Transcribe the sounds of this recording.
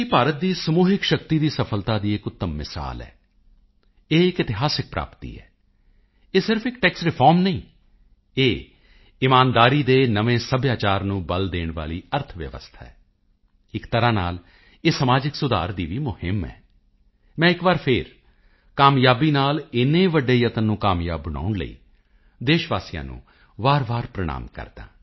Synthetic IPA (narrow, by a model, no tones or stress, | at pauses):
iːpaːɾət̪̚d̪iːsəmuːɦɪkʃəkt̪iːd̪iːsəpʰəlt̪aːd̪iːɪkʊt̪ːəmːɪ̰sa̰ːlɛ̰ː | eːɪkɪt̪ɪɦaːsɪk̚pɾa̰ːpt̪ḭːɛ̰ː | eːsɪɾfʰɪk̚ʈɛːksɾɪpʰɔːɾmnəĩː | eː | ɪmaːnd̪aːɾiːd̪eːnəʋẽːsəbjaːt͡ʃaːɾnũːbəld̪eːɳʋa̰ːlḭːəɾt̪ʰʋjə̰ʋə̰st̪ʰa̰ːɛː | ɪkt̪əɾãːna̰ːl | eːsəmaːd͡ʒɪksʊd̪a̰ːɾd̪iːʋiːmʊhɪmɛ̰ː | mɛ̃ːɪkbaːɾpʰɪɾ | kaːmjaːbiːnaːlɪnẽːʋəɖeːjət̪ənːũːkaːmja̰ːbːəna̰ːʊɳlə̰ḭː | d̪eːʃʋaːsijã̰ːnṵ̃ː | ʋaːɾʋaːɾpɾəɽ̃a̰ːmkə̰ɾd̪ã̰ː